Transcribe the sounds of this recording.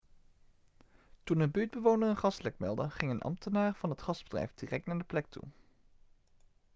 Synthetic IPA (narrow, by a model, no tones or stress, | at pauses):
tunənbyːd̚bəʋownərənχɑstlɛkmɛ̰lˠdəχɪŋənʔɑ̰mtʰənaːɹv̥ɑnətχɑzb̥ədrɛ̰jvdirɛk̚tnaːɹdəplɛk̚tʰṵ